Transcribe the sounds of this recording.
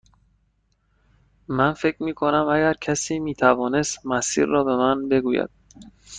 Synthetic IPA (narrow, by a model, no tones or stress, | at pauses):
mænfe̞cʰɾmiːkʰo̞næmæɡæɾcʰæsiːmiːt̪ʰævɒːne̞st̪mæsḭːɾːɒːbe̞mænbe̞ɡuːjæ̰d̪̥̚